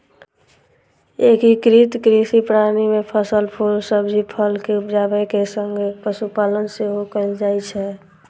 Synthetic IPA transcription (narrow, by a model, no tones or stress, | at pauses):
ekɦikɾit̪kɾisipɾanimepʰəsəlpʰolsəbd͡ʒʱipʰəlkeupd͡ʒabəjkesəŋɡepəsupalənseɦokəld͡ʒajt͡ʃʰɛ